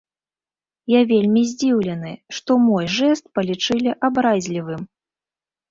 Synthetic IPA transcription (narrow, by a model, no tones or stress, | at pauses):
javʲelʲmʲizʲd͡zʲiwlʲɛnɨʂt̪ɔmɔjʐɛst̪̚pɐlʲit͡ʂɨlʲiʔabɾazʲlʲivɨm